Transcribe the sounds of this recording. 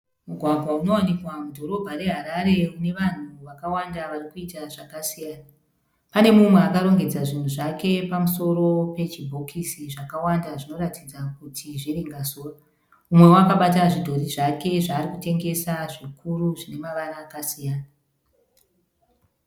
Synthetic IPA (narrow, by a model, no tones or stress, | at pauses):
muɡʱwaɡʱwauno̞wanikwamudʱo̞ɾo̞bʱaɾe̞ɦaɾaɾe̞une̞ʋan̤uʋakawandaʋarikuitaʐakasijaːna | pane̞mumwe̞akaɾo̞ŋɡe̞d͡zaʐin̤uʐake̞pamuso̞ɾo̞pe̞t͡ʃibʱo̞kʰisiʐakawandaʐino̞ɾatid͡zak̚utʰiʐiriŋɡasoːra | umwe̞wakaɓataʐidʱo̞riʐake̞ʐaːrikute̞ŋɡe̞saʐikuɾuʐine̞maʋanaːkasijaːna